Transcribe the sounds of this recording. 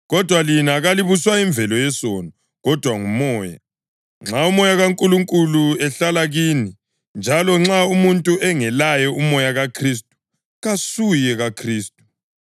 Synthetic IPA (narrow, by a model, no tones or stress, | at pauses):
ɣɔd̥ʱwalinaɣaliβuswaiɱb̪vʱɛlɔjɛsɔnɔ | ɣɔd̥ʱwaŋumɔːja̰ | ŋ͡ǁaumɔjaɣaŋkʼuluŋkʼuluɛɬalaɣiːni | nd͡ʒʱalɔŋ͡ǁaumuntʼuʔɛŋɛlajɔumɔjaɣakʰris̬tʼu̥ | ɣasujɛɣakʰriːstʼu̥